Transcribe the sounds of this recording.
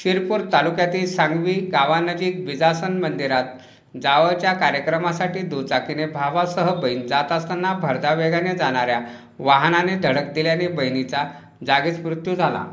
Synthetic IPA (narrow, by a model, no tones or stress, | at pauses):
ɕiɾpuːɾt̪alukjat̪iːsãŋɡʋiːɡaʋanəd͡ʑiːk̚ʋid͡zasənmənd̪iɾat̪̚ | d͡zaʋəɭt͡ɕjakaɾjəkɾəmasaʈiːd̪ut͡sakinebʱaʋasəɦəbəind͡zat̪ast̪anːabʱəɾd̪aʋeɡaned͡zaɽ̃aɾja | ʋaɦnaned̪ʱəɽək̚d̪iljanebəjnit͡sa | d͡zaɡit͡smɾut̪jud͡zʱala̰